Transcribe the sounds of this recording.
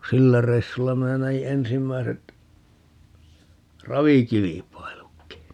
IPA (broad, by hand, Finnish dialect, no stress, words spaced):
silːæ reisːulːɑ minæ næji ensimːæiset rɑʋikilipɑilukːi